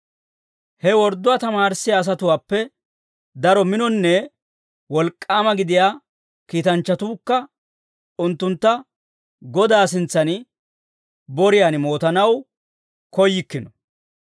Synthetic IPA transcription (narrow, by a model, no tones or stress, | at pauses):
hɛwɔɾd̪ːʊwat̪ɐmaːɾsɪjaːs̬ɐt̪ʊwaːpːɛ | d̪ɐɾɔmɪnɔnːɛ | wɔlkʼːaːmɐɡɪd̪ɪjaː | kiːt̪ɐnt͡ʃːɐt̪uːkːɐ | ʊnt̪ːʊnt̪ːɐ | ɡɔd̪aːs̬ɪnt͡sːɐnɪ | bɔɾɪjanɪmo̞ːt̪ɐnɐw | kɔjːɪkːɪnɔ